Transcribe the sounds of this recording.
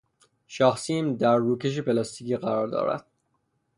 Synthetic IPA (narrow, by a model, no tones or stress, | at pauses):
ʃɒːxsimd̪æɾːuːce̞ʃ̬epelɒst̪iːciːɢæɾɒːɾd̪ɒ̰ːɾæ̰d̪̥̚